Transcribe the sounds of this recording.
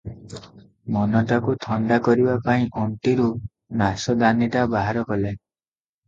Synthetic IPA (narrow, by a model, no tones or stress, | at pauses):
mɔnɔʈakut̪ʰɔɳɖakɔɾibapaĩʔɔɳʈiɾu | nasɔd̪aniʈabaɦaɾɔkɔle